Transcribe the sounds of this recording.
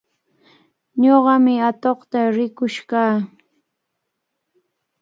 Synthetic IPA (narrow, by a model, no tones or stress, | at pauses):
ɲoɢɑmɪat̪oχt̪aɾɪkʊʃkaː